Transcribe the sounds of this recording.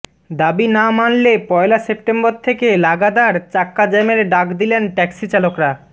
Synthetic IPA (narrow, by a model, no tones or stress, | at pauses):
d̪abinamanlepɔelasep̚ʈemboɾt̪ʰekelaɡad̪aɾt͡ɕakːad͡ʑɛmeɾɖakd̪ilenʈɛksit͡ɕalokɾa